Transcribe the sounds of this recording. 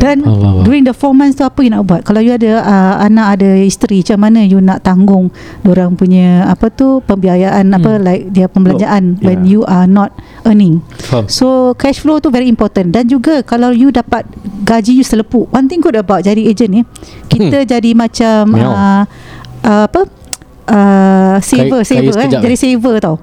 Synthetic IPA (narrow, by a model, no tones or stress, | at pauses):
dandjuɾiŋdəfɔmɛ̃nst̪uapəjunaʔbuat̪̚kalawjuadəəa̰nãʔadəhist̪əɾit͡ʃamanə̃junaʔt̪aŋɡʊŋ | doɾaŋpuɲaapət̪upəmbiajaʔanapəlaɪk̚diapəmbəlaɲd͡ʒaʔanwɛ̃njuʔanɔt̪̚ | ənɪ̃ŋsokɛʃflot̪uvɛɾiːmpɔt̪əndand͡ʒuɡakalawjudapat̪̚ɡad͡ʒijusələpuʔwant̪ɪ̃ŋɡudəbawt̪̚d͡ʒadied͡ʒənɪkit̪əd͡ʒadimãt͡ʃamə | ʔəapə | ʔəsevəsevəɛd͡ʒadisevət̪aw